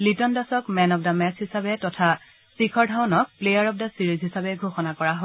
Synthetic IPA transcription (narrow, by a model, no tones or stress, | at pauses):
litɔndasɔkmɛnɔp̚damɛshisabɛtɔtʰa | sikʰɔɹdʱawnɔk̚plejaɹɔp̚dasiɹizɦisabɛɡʱoxɔnakɔɹaɦo